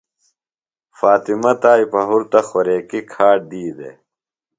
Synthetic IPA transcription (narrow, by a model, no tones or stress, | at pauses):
faːt̪imɐt̪aːjpɐɦuɾt̪ɐxoɾeːkikʰaːʈ̚d̪iːd̪ḛ